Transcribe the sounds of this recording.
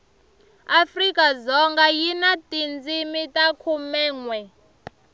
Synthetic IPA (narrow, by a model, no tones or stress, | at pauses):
afrikazɔŋɡajinatʼind͡zimitakʰumɛːŋwɛ